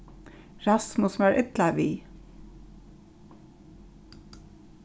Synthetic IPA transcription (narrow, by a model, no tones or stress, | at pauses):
ɾɑsmʊsm̩æːɹʔɪt̪lɑʋiː